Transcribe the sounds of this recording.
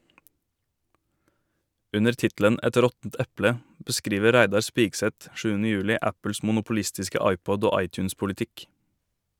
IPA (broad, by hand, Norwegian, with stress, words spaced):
ˈʉnəɾ ˈtɪtl̩ən ˈɛt ˈɾɔtn̩t ˈɛplə bəˈskɾiːʋə ˈɾæɪdɑɾ ˈspiːɡsɛt ˈʃʉːənə ˈjʉːlɪ ˈæpl̩s mʊnʊpʊˈlɪstɪskə ˈɑɪˌpɔd ˈoː ˈɑɪˌt͡ʃʉːns pʊlɪˈtɪk